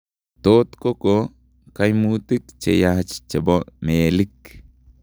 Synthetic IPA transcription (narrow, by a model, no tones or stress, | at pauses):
toːt̪koko | kajmut̪ikt͡ʃḛjaht͡ʃt͡ʃɛbomeːlik